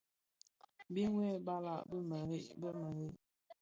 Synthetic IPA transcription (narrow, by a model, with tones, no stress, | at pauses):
bi˦ŋwɛ˦˨ba˦la̰˦˨ʔbə˦mə˨ɾi˦ʔbə˦mə˨ɾi˦ʔ